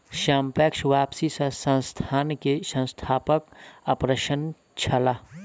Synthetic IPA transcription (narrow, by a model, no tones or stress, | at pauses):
ʃaːmpɛːkʃʋaːpsisə̃sə̃nst̪ʰaːnkesə̃nst̪ʰaːpəkəpɾeʃən | t͡ʃʰɐlaː